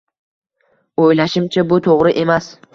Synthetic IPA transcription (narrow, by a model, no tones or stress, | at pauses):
ojlaʃɪmt͡ʃʰabʊt̪ʰoʁɾɪʔe̞mas